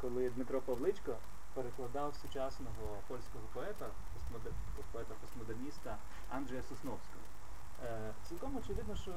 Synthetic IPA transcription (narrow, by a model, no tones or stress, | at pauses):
kɔlˠɪd̪mɪt̪ɾɔpɐwlˠɪt͡ʃʲkɔ | peɾeklˠɐd̪ɑwsʊt͡ʃɑsnɔɦɔ | pɔlʲsʲkɔɦɔpɔɛt̪ɐ | pɔst̪mɔd̪ | pɔɛt̪ɐpɔsmɔd̪ernʲist̪ɐ | ɑnd̪ʒɛjɐsʊsnɔwsʲkɔɦɔ̰ | t͡sʲilˠkɔmɔt͡ʃɪʋɪd̪nɔʃt͡ʃɔ